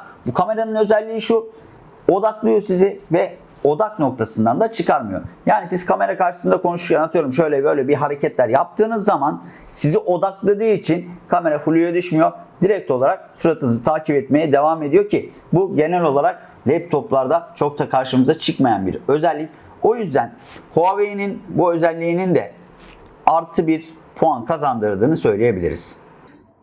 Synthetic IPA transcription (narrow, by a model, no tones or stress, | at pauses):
bukʰame̞ɾanɯnø̞zɛlʲːiːiʃu | o̞d̪aklˠɯjo̞sizɪvɛ | o̞d̪akno̞kt̪ʰasɯnd̪and̪at͡ʃʰɯkʰaɾmɯjo̞̰jaːnisiz̥kʰame̞ɾakaɾʃɯsɯnd̪akʰo̞nuʃuɾcʰanat̪ʰɯjo̞ɾumʃø̞jlʲɛbø̞jlʲɛbiɦaɾe̞cɛt̪lʲæɾjap̚t̪ʰɯːnɯzːaman | siziʔo̞d̪aklˠad̪ɯːit͡ʃʰinkʰame̞ɾafulʲujad̪yʃmijo̞d̪̥iɾɛc̚t̪ʰolˠaɾak̚suɾat̪ʰɯnɯzɯt̪ʰaːcʰipɛt̪me̞jɛd̪e̞vaːme̞d̪ijo̞ɾcʰi | buɟe̞nælʲo̞lˠaɾak̚ | lʲɛp̚t̪ʰo̞plˠaɾd̪at͡ʃʰo̞k̚t̪ʰakʰaɾʃɯmɯzat͡ʃʰɯkmajanbḭɾø̞zɛlʲːic | o̞jyzd̪æn | hoavejininbuø̞zɛlʲːiːnind̪ɛ | aɾt̪ʰɯbiɾ | pʰoankʰazand̪ɯɾd̪ɯːnɯsø̞jlʲeje̞bilʲḭɾḭz̥